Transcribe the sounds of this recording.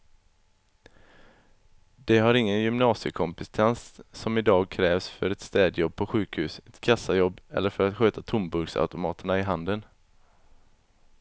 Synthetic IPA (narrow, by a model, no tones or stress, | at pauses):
d̪̥ɛɦaɾɪŋːənjʏmnɑːsɪəkʰɔmpɪst̪ʰɛnsːɔmɪd̪ɑːɡ̚kʰɾɛːvsfœɾɛt̪st̪ɛːd̪jɔb̚pʰɔɧʉ̟ːkhʉ̟ːsɛt̪kʰasːajɔbːɛ̰lːəɾfœɾat̪ɧøːt̪at̪ʰʊmbɵɾɡsa̰ʉt̪ʊmɑːt̪əɳaɪɦand̪ən